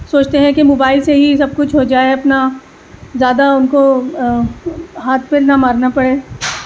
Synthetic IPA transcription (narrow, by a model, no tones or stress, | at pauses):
soːt͡ʃt̪eɦɛ̃kemoːbaːɪlseɦisɐb̚kʊt͡ʃʰɦod͡ʒaːeɐpna | zjaːd̪aʊnko | ɦaːt̪̚ʰpelnamaːɾnapɐɽeː